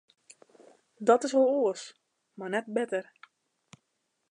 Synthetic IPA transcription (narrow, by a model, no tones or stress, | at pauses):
dɔtɪsʋolˠoəs | marnɛt̚bɪtər